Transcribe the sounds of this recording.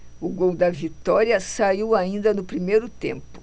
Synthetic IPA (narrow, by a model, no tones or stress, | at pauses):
ʊɡowd̪ɐvit̪ɔɾiɐsaiwaĩnd̪ɐnʊpɾimejɾʊt̪ḛ̃mpʊ̥